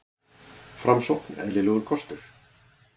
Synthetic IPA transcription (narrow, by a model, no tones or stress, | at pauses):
fɾamsowknɛ̰ðlɪlœːɣʏɾkʰɔst̪ʏɾ̥